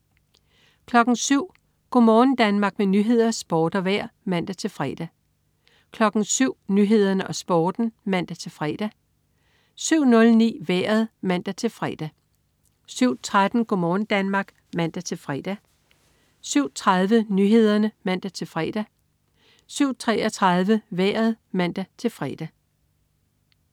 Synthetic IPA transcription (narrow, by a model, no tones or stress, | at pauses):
kʰlɒ̽ɡ̥n̩syʊ̰ | ɡ̥omɒːn̩d̥ænmɑ̈ːɡ̥menyːɦe̝ð̞̰ˠɐsb̥ɒːd̥ɒʋæɐ̰mæn̰d̥æt͡sʰe̝lfʁɛ̰d̥æ | kʰlɒ̽ɡ̥n̩syʊ̰nyɦe̝ð̞̰ˠɐnəʔɒ̽sb̥ɒːd̥n̩mæn̰d̥æt͡sʰe̝lfʁɛ̰ːd̥æ | syʊ̰nɔ̽lnḭːʋeːɐðˠmæn̰d̥æt͡sʰe̝lfʁɛ̰ːd̥æ | syʊ̰t͡sʰʁad̥n̩ɡ̥ɔmɒːn̩d̥ænmɑ̈ːɡ̥ | mæn̰d̥æt͡sʰe̝lfʁɛd̥æ | syʊ̰t͡sʰʁaðˠʋənyːɦe̝ð̞ˠɐnəmæn̰d̥æt͡sʰe̝lfʁɛːd̥æ | syʊ̰t͡sʰʁɛɒt͡sʰʁɑðˠʋəʋæːɐð̞̩ˠmæn̰d̥æt͡sʰe̝lfʁɛ̰ːd̥æ